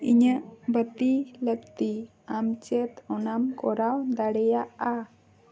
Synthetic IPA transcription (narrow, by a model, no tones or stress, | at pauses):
iɲəʔbət̪iləkt̪i | amt͡ʃɛt̪ɔnamkɔɾawd̪aɽɛjaʔa